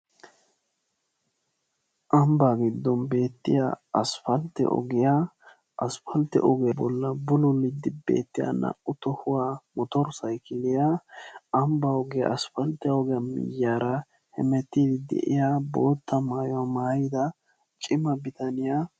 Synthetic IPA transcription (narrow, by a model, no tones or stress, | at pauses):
ʔɐmbaɡɪd̪ːɔnbe̞ːt̪ːɪja̰ɐsfɐlt̪ɛ̰ʔɔ̰ɡɪja | ʔɐsfɐlt̪ɛ̰ʔɔɡɪjɐbɔlːɐbʊlʊlɪd̪ːɪbḛːt̪ːɪjɐ̰nɐ̰ʔʊt̪ɔhʊwamɔt̪ɔɾsɐjkʰɪlɪjaɐmbɐɔɡɪja̰ɐsfɐlt̪ːɛɔɡɪjamɪ̰jːaːɾɐ | hɛ̰mɛt̪ːiːd̪ɪd̪ɛ̰ʔɪ̰jaboːt̪ːɐmaːjɔwamaːjɪd̪ɐ | t͡ʃʼɪmɐbɪt̪ɐnɪja